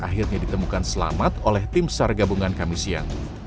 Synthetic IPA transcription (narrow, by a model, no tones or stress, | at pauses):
aɦɪrɲadit̪əmukansəla̰mat̪olɛht̪ɪmsarɡabuŋankamisia̰n